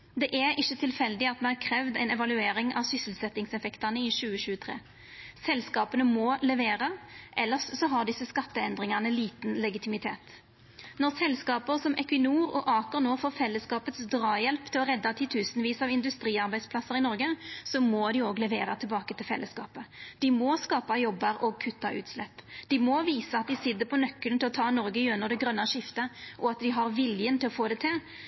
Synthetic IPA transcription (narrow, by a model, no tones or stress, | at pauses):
d̪ɛʔɛɾɪçːət̪ʰɪlfɛld̪ɪɑt̪̚d̪ɛhæʁkʰɾɛːʋd̪æɪnɛʋɑlʉeːɾɪŋʔɑ̰ʋsʏsəl̩sɛt̪ːɪŋsɛfɛkt̪ɑnəɪʃʉːəɕʉːət̪ʰʁḛː | sɛlskɑːpənəmɔlɛʋeːʁəʔɛlːəʁsːɔɦɑʁd̪ɪsəskɑt̪ːəɛnd̪ʁɪŋɑnəliːt̪nlɛɡɪt̪ɪmɪt̪ʰḛːt̪ | nɔʁsɛlskɑːpəʁsɔmʔɛkʋɪnuːʁɔ̰ʔɑːkəʁnoːfoːfɛlːəskɑːpət̪sd̪ɾɑːjɛlpt̪ʰɪlɔʁɛd̪ːɑt̪ʰɪt̪ʰʉːsnəʋiːsɑʋɪnd̪ʉst̪ɾiːɑʁbæɪspʰlɑsːəɾɪnɔɾɡəsɔmɔd̪ɪoːɡlɛʋeːɾət̪ʰɪlbɑːkət̪ʰɪlfɛ̰lːʔəskɑ̰ːpəd̪̥ɪmɔskɑːpɑjɔbːəɾɔɡ̚kʰʉt̪ːɑʔʉ̰ːt̪slɛpːd̪̥ɪmɔʋiːsəɑt̪̚d̪ɪsɪd̪ːəpʰɔnœkːəlnt̪ɪlɔt̪ʰɑːnɔɾɡəjʉnːəʁd̪ɛɡʁœnːɑʂɪft̪əʔɔɑt̪̚d̪ɪɦɑʁʋɪljənt̪ɪlɔfoːd̪ɛt̪ʰɪl